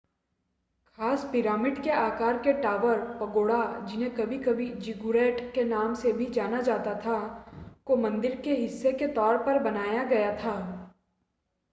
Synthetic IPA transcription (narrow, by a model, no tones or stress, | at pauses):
xaːspɪɾaːmɪɖkeaːkaːɾkeʈaːʋəɾpɐɡoːɽad͡ʒɪnẽkɐbʱikɐbʱid͡ʒɪɡuɾɛːʈkenaːmsebʱid͡ʒaːnad͡ʒaːt̪at̪ʰakomɐ̃nd̪ɪɾkeɦɪsːeket̪ɔːɾpɐɾbɐnaːjaɡɐjat̪ʰaː